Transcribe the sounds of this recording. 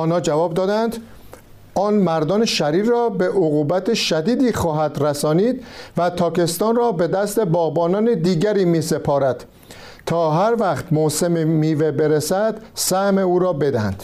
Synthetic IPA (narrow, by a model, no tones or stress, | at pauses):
ɒːnhɒːd͡ʒævɒːbd̪ɒːd̪ænd̪ | ʔɒːnmæɾd̪ɒːneʃæɾiːɾrɒːbe̞ʔoɣuːbæt̪ʰeʃæd̪iːd̪iːxɒːɦæd̪ɾæsɒːniːd̪̥væt̪ʰɒːke̞st̪ɒːnrɒːbe̞d̪æst̪e̞bɒːbɒːnɒːned̪iːɟæɾiːmiːse̞pʰɒːɾæd̪̥ | t̪ʰɒːɦæɾvæχt̪mose̞memiːvebeɾesæd̪̥sæhmeuːɾɒːbe̞d̪ænd̪̥